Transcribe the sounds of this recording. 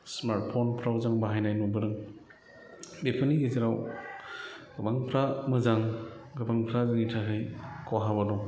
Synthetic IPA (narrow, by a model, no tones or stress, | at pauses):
smaɾt̚pʰonpʰɾawzaŋbaɦajnajnubɯɾɯŋ | bepʰɯniɡeziɾaw | ɡɐbaŋpʰɾamɯzaŋɡɐbaŋpʰɾazɯŋitʰakʰajkʰoɦabanɔ